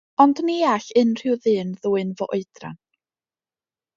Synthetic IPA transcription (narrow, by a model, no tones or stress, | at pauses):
ɔndniaɬɨnr̥ɪwðɨːnðuːɨnvɔʔoɨdra̰n